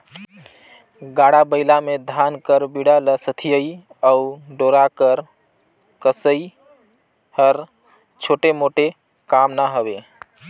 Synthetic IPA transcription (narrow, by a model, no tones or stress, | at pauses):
ɡaɽabəɪlamed̪ʱankəɾbiɽaləsət̪ʰijəiəuɖoɾakəɾ | kəsəi | həɾ | t͡ʃʰoʈemoʈe | kamnaɦəbe